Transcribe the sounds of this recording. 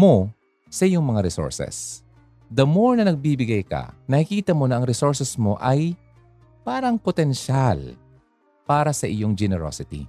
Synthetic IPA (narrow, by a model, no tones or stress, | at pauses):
mo̞ | sɐʔɪjoŋmɐŋaɾɛso̰ɹsɛ̰s | d̪ɐmoɹnɐnɐɡ̚biːbɪɡajkɐ̰nɐhɪkiːt̪ɐmo̞nɐʔɐŋɾɛsoɹsɛsmo̞ʔɐj | paːɾɐŋpot̪ɛnʃal | paːɾɐsɐʔɪjoŋd͡ʒɛnɛɾo̰sɪt̪ḭ